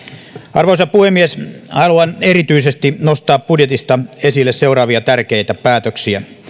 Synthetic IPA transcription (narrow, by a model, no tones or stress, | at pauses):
ɑrʋosɑpuhemːieshɑluɑneɾit̪yisest̪inost̪ɑːppudjet̪ist̪ɑesilːesseuɾɑːʋiɑt̪ærkejt̪æpæːt̪øksiæ